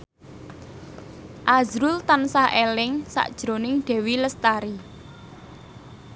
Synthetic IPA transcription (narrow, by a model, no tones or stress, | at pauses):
ʔazɾʊlt̪ansahʔelɪŋsa̰ʔd̥ʒ̥ɾo̤nɪŋɖ̥e̤wiləst̪aɾi